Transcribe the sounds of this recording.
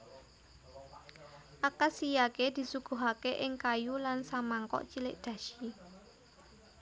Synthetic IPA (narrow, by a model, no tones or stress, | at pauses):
ʔakasijaked̪̥i̤suɡ̥o̤ɦakeʔɪŋkajulansamaŋkɔ̰ʔt͡ʃilɪʔd̪̥ä̤ʃi